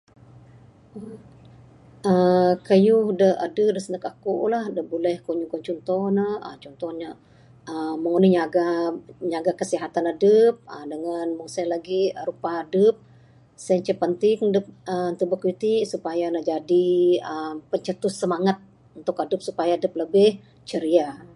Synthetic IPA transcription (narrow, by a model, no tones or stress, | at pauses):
ʔəkəjuhdəha̰dəp̚dəsənəkakuʔlahdəbolɛhkuɲuŋkant͡ʃɔnt̪ɔhnəə̰t͡ʃɔnt̪ɔnɲa | əːəŋunəɲaɡaɲaɡakəsiɦat̪anadəp̚ədəŋanməŋsajlaɡiɾupaadəp̚ | sajɲt͡ʃəpːənt̪ɪŋdəp̚ənt̪əbəkit̪iʔsupajanad͡ʒadiəmpəɲt͡ʃət̪ʊssəmaŋat̪̚ | unt̪ʊkadəp̚supajaːdəp̚ləbɪh | t͡ʃəɾia